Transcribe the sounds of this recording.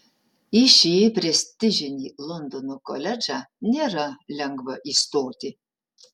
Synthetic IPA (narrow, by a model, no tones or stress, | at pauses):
iʃʲipʲɾʲɛsʲt̪ʲɪʒʲɪnʲiːlˠɔnd̪onokolʲɛd͡ʒæːnʲeːɾɐlʲɛŋɡʋɐʔiːst̪oːt̪ʲɪ